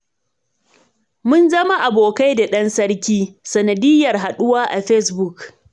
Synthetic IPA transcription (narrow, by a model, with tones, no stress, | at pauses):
mʊ˦nzɐ˦ma˦ʔa˨boː˨ka˦jda˨ɗɐ˦nsɐ˦rkʲiː˦sɐ˨nɐ˨dɪ˦jːɐ˨rɦa˨ɗʊ˦waː˦ʔa˨ɸɛ˦sbʊ˦˨k